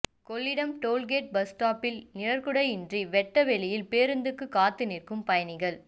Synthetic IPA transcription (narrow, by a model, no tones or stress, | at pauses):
kɔɭːɪɽɐmʈoːlɡeːʈ̚bɐsʈaːpɪlnɪɾɐɾkɯɽɐɪɪndriʋɛʈːɐʋɛɭɪjɪlpeːɾɯnd̪ɯkːɯkːaːt̪ːɯnɪrkɯmpɐjɐnɪɣɐɭ